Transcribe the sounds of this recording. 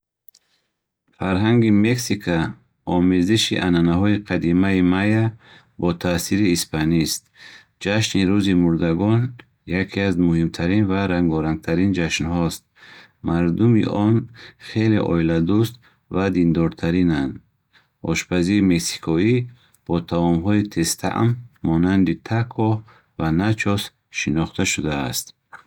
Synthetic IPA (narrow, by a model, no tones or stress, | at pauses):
faɾɦaŋɡimeksikʰa | ɔmeziʃiʔananaɦɔiqʰad̪imaimaja | bɔt̪ʰasiɾiːspʰanist̪̚ | d͡ʒaʃniɾuzimuɾd̪aɡɔn | jakʰiazmuhimt̪ʰaɾinvaɾaŋɡɔɾaŋɡ̚t̪ʰaɾind͡ʒaʃnhɔst̪̚ | maɾd̪umḭʔɔnχe̞lḛʔɔ̰ilad̪ust̪ | vad̪ind̪ɔɾt̪ʰaɾinand̪ | ʔɔ̰ʃpʰaziɾimeksi̥kʰɔi | b̥ɔt̪ʰavɔmɦɔit̪ʰe̞st̪ʰa̰ʔmːɔnand̪it̪ʰakʰɔ | vanat͡ʃʰɔs | ʃinɔχt̪ʰaʃud̪a̰ːst̪